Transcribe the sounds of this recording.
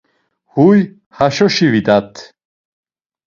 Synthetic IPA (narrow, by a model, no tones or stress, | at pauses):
huj | haʃɔʃivid̪at̪ʰ